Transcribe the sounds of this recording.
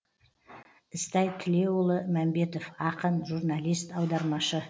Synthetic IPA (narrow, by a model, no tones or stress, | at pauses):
ɪst̪ɑjt̪ʲʰɪle̞ʊlˠəmæmbe̞t̪ofɑqənʒurnalʲijst̪ɑwd̪ɑɾmɑʃə